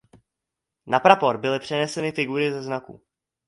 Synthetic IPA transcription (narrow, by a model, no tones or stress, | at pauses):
napɾapo̞ɾbɪlɪpr̝̥ɛnɛsɛnɪfɪɡuɾɪzɛznakṵ